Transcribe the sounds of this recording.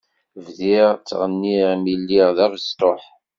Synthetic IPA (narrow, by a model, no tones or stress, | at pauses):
vðiʁt͡sːʁənːiʁmilːiʁðæɾst̪oħ